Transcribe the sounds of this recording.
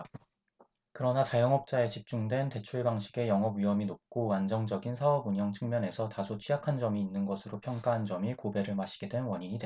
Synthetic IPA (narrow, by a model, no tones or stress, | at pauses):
kɯɾʌnat͡ɕajʌŋʌp̚t͡ɕ͈ae̞t͡ɕip̚t͡ɕ͈uŋdwe̞nte̞t͡ɕʰuɭbaŋɕʰiɡe̞jʌŋɦʌbɥiʌminop̚k͈owand͡ʑʌŋd͡ʑʌɡinsʰaʌbuɲʌŋt͡ɕʰɯŋmjʌne̞sʰʌtasʰot͡ɕʰijakʰand͡ʑʌmiːnːɯnɡʌsʰɯɾopʰjʌŋk͈aɦand͡ʑʌmikobe̞ɾɯɭmaɕʰi̥ɡ̥e̞dwe̞nwʌɲiɲidwe